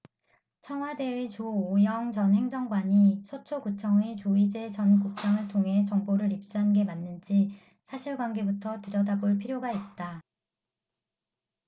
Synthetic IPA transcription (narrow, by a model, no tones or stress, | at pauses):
t͡ɕʰʌŋɦwade̞it͡ɕoːjʌŋt͡ɕʌnɦe̞ŋd͡ʑʌŋɡwaɲisʰot͡ɕʰokut͡ɕʰʌŋet͡ɕoid͡ʑe̞t͡ɕʌnkuk̚t͡ɕ͈aŋɯɭtʰoŋɦe̞t͡ɕʌŋboɾɯɾip̚s͈uɦanɡe̞manːɯnd͡ʑi | sʰaɕʰiɭɡwanɡe̞butʰʌtɯɾjʌdaboɭpʰiɾjoɡait̚t͈a